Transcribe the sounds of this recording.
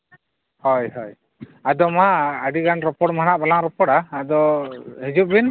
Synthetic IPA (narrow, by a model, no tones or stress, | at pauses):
hɔjɦɔj | ad̪ɔmaəɖiɡanɾɔpɔɽmanaʔbalaŋɾɔpɔɽaːd̪ɔhid͡ʒuʔ̚bin